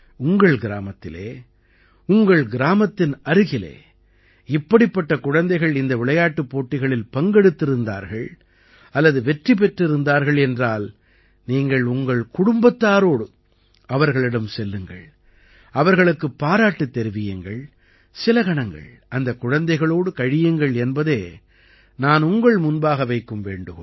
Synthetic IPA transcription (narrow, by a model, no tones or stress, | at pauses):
ʊŋɡɐɭɡɪɾa̰ːmɐt̪ːɪlḛː | ʊŋɡɐɭɡɪɾaːmɐt̪ːɪnɐɾɯɣɪlḛː | ɪpːɐɽɪpːɐʈːɐkʊɻɐnd̪ɐɪɣɐɭɪnd̪ɐʋɪɭɐjaːʈːɯpːoːʈːɪɣɐɭɪlpɐŋɡɛɽɯt̪ːɪɾɯnd̪a̰ːɾɣɐɭ | ɐlːɐðɯʋɛʈripɛʈrɪɾɯnd̪aːɾɣɐɭɛndraːl | niːŋɡɐɭʊŋɡɐɭkʊɽʊmbɐt̪ːaːɾoːɽɯ | ɐʋɐɾɣɐɭɪɽɐmsɛlːɯŋɡɐ̰ɭ | ɐʋɐɾɣɐɭɯkːɯpːaːɾaːʈːɯt̪ːɛɾɯʋɪjɐŋɡɐɭ | sɪlɐɣɐɳɐŋɡɐ̰ɭ | ʔɐnd̪ɐkʊɻɐnd̪ɐɪɣɐɭoːɽɯkɐɻɪjɯŋɡɐɭɛnbɐðeː | naːnʊŋɡɐɭmʊnbaːɣɐʋɐɪkːɯmʋeːɳɖɯɣ